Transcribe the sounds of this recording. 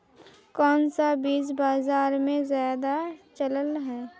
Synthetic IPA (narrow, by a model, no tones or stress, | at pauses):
kɔːnsabiːsbaːzaːɾmẽzjaːd̪at͡ʃələlɦɛː